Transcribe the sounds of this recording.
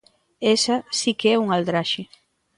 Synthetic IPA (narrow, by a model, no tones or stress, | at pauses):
esasikeɛuŋald̪ɾaʃɪ